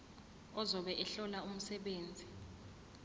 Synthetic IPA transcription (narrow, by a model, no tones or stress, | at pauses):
ɔzɔɓɛʔɛɬɔlaum̩sɛɓeːnd͡zʱi